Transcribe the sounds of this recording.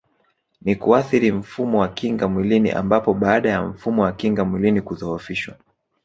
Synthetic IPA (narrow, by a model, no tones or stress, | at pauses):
nikuaθiɾim̩fumɔwakiŋɡamwilinḭʔa̰mbapɔɓaːaɗajaɱ̩fumɔwakiŋɡamwilinikuðɔɔfiʃwa̰